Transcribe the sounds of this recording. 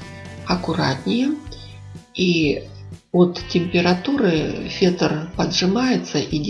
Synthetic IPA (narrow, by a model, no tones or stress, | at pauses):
ɐkʊɾa̰t̪nʲɪjɛ | i | ot̪ːʲɪmʲpʲɪɾɐt̪uɾɨfʲet̪ərpɐd̪ʐɨmajɪt̪səʔidʲ